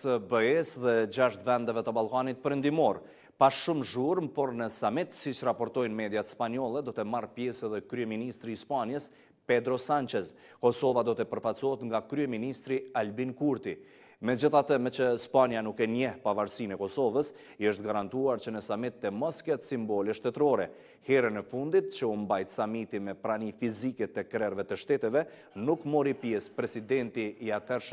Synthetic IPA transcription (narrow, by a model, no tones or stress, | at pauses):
səbəɛsðɛd͡ʑaʃt̪vɛnd̪ɛvɛt̪əbalˠkanit̪̚pəɾənd̪imɔɾ | paʃʃumʒuɾmpɔɾnəsamit̪sit͡ʃrapɔɾt̪ɔjnmɛd̪jat̪spanjɔlˠɛd̪ɔt̪ɛmarpjɛsɛðɛkɾyɛminist̪ɾiːspanjəs | pɛd̪ɾɔsant͡ʃɛz | kɔsɔvad̪ɔt̪ɛpəɾfasɔɦɛt̪ŋɡakɾyɛminist̪ɾialbinkuɾt̪i | mɛd͡ʑəθat̪əmɛt͡ʃəspanjanukːɛɲɛhpavaɾsinɛkɔsɔvəs | iəʃt̪̚ɡaɾant̪uaɾt͡ɕənəsamit̪ːɛmɔskɛt̪simbɔlɛʃt̪ɛt̪ɾɔɾɛ | hɛɾɛnɛfund̪it̪̚t͡ɕəumbajt̪samit̪imɛpɾanifizikɛt̪ɛkɾɛɾvɛt̪əʃt̪ɛt̪ɛvɛ | nukmɔɾipjɛspɾɛsid̪ɛnt̪iːat̪ɛɾʃ